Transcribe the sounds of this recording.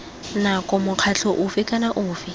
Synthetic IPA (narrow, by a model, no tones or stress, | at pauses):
nakʼɔmʊq͡χʰat͡ɬʰɔʔʊfɪkʼanaʔʊːfɪ